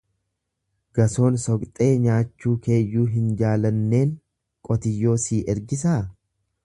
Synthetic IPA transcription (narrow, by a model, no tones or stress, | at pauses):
ɡ̥ɐso̞ːnsɔkt̪ʼe̞ːɲaːt͡ʃːuːkʰe̞ːjːuːɦɪnd͡ʒaːlɐnːe̞ːŋ | kʼɔt̪ɪjːo̞ːsiːʔɛɾɡɪs̬aː